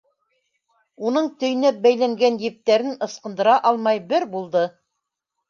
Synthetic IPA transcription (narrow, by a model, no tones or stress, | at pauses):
unɤɴt̪ɵ̆jnæp̚bæjlæŋɡænjɘ̆p̚t̪æɾɘnɤ̆sqɤ̆nd̪ɤ̆ɾɑʔɑlˠmɑjbɘɾbulˠd̪ɤ